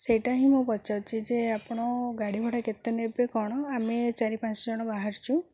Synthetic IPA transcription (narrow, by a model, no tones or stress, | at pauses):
sejʈaɦĩmubɔt͡ʃawt͡ʃʰid͡ʒeapɔɽ̃ɔɡaɽibʱɔɽaket̪enebekɔɽ̃ɔamet͡ʃaɾipãt͡ʃɔd͡ʒɔɽ̃ɔbaɦaɾt͡ʃʰũ